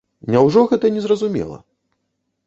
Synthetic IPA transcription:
nʲawʐɔɣɛt̪ɐnʲɛzrɐzumʲɛ̰lˠɐ̰

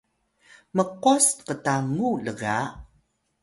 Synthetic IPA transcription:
məqɔstqətaŋuləɣa

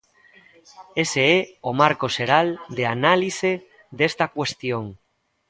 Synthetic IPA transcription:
eseɛomaɾkoʃeɾald̪eanalise | ðest̪akwest̪joŋ

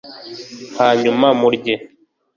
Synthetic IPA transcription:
haɲumamuɾɟe

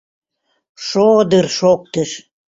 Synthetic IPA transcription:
ʃod̪ərʃok̚t̪əʃ

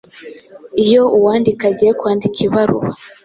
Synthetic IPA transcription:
ijo̞uwaːndikaɟijekwaːndikiβaɾṵβa

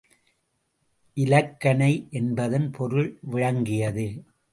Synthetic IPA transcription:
ʔɪlɐkːɐɳɐɪʔɛnbɐðɐnpʰɔɾɯɭʋɪɻɐŋɡɪjɐðɯ

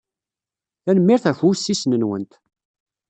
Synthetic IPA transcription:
θænəmːiɾθæfusːisnənwə̰nt̪

